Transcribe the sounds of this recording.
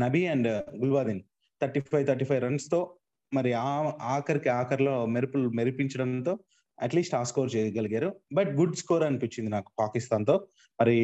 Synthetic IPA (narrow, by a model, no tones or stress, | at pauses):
nɐbiɐɳɖɡulʋaːd̪in | t̪ʰɐɾʈːiːpʰɐjt̪ʰɐɾʈiːpʰɐjɾɐɳɖst̪o̞ː | mɐɾiaːaːkɐɾikiaːkɐɾlo̞ːmeɾipulmeɾipiɲt͡ʃɐɽɐnt̪o̞ː | ɐ̰ʈliːsʈaːskoːɾt͡ʃeːd̪ɡɐliɡaːɾubɐʈ̚ɡuɖskɔːɾɐnipit͡ʃːind̪inaːku̥paːkist̪aːnt̪o̞ː | mɐɾi